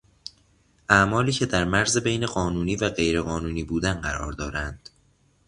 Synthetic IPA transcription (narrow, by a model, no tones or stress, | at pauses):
ʔæmɒːliːcʰe̞d̪æɾmæɾzebejne̞ɢɒːnuːniːvæɢe̞jɾe̞ɣɒːnuːniːbuːd̪ænɢæɾɒ̰ːɾd̪ɒːɾænd̪̥